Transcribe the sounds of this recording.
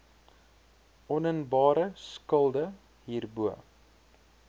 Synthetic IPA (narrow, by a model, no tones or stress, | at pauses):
ʔɔnənbɑːɾəskəlˠdə | ɦiːrbuə